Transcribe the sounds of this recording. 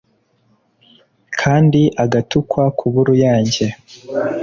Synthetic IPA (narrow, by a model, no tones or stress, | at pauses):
kʰaːndiʔaɡatukʰwakʰuβuɾujaːɲɟe̞